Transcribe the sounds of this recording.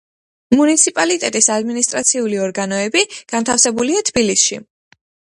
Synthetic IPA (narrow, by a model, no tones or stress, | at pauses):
munit̪sʰipʼalit̪ʼɛt̪ʼisad̪minist̪ʼɾat̪sʰiuliɔɾɡanɔɛbiɡ̥ant̪ʰafsɛbuliat̪ʰbilisʃḭ